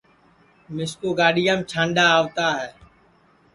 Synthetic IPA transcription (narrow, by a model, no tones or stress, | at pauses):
mɪskoːɡaːɗɪjaːmːt͡ʃʰãːɳɖaːaːʋt̪aːɦɛː